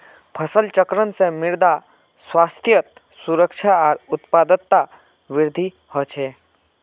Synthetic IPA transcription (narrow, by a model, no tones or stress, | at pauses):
pʰəsəlt͡ʃəkɾənsemɪɾd̪a | swaːst̪ʰjət̪ | suɾəkʃʰaɔːɾʊt̪paːd̪ət̪ːa | ʋɪɾd̪ʱi | hɔt͡ʃʰeː